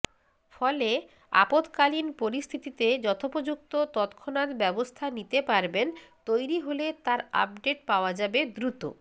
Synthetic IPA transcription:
fɔle | a̰pot̪kalinpoɾist̪ʰit̪it̪ed͡ʑɔt̪ʰopod͡ʑuk̚t̪ot̪ɔt̪kʰːonat̪bɛbost̪ʰanit̪epaɾbent̪ojɾiɦolet̪aɾa̰p̚ɖeʈ̚paoad͡ʑabed̪ɾut̪o̰

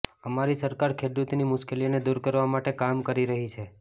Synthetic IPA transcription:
əmaɾisəɾkaɾkʰed̪ut̪nimʊʃkelioned̪uɾkəɾʋamaʈekamkəɾiɾəɦit͡ʃʰe

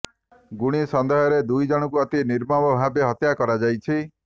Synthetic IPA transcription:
ɡuɽ̃isɔnd̪eɦɔɾed̪ujd͡ʒɔɽ̃ɔkuɔt̪iniɾmɔbɔbʱabeɦɔt̪jakɔɾad͡ʒajt͡ʃʰi

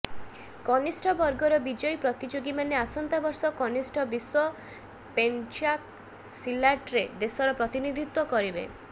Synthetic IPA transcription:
kɔnisʈʰɔbɔɾɡɔɾɔbid͡ʒɔjpɾɔt̪id͡ʒoɡimaneasɔnt̪abɔɾsɔkɔnisʈʰɔbiswɔ | pent͡ʃak̚ | silaʈɾed̪esɔɾɔpɾɔt̪inid̪ʱit̪wɔkɔɾibḛ

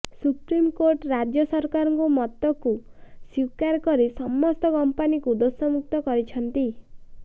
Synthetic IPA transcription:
supɾimkoɾʈɾad͡ʒjɔsɔɾkaɾɔŋkumɔt̪ːɔkusiwkaɾkɔɾisɔmːɔst̪ɔkɔmpanikud̪osɔmuk̚t̪ɔkɔɾit͡ʃʰɔnt̪i

